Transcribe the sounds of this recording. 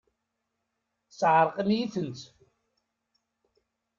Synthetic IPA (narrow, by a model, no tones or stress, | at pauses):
sʕəɾˤqəmjiθənt̪